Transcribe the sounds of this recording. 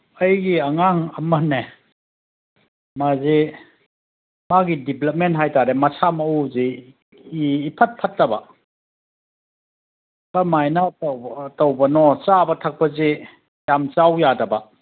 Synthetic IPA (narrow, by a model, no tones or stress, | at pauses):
ɐjɡiɐŋaŋɐmɐne | mazi | maɡidiplɐp̚mentɦajtaɾemɐsʰamɐuzi | pʰɐt̚pʰɐt̚ːɐbɐ | kamajnɐtɐwbɐnɔt͡ʃabɐtʰɐk̚pɐzi | jamt͡ʃawjadɐbɐ